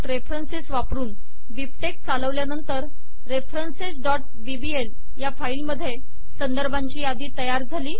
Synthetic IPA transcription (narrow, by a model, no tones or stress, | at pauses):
ɾefɾənsesʋapɾuːn | ʋipʈek̚t͡saləʋljanənt̪əɾː | efɾənsesɖɔʈ̚ | ʋibiel | jafailməd̪ʱːje | sənd̪əɾbaɲt͡ɕiːad̪iːt̪əjaɾd͡zʱaliː